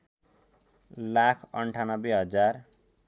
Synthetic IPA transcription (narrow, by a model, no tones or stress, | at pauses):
lakʰʌɳʈʰanʌbeɦʌd͡zar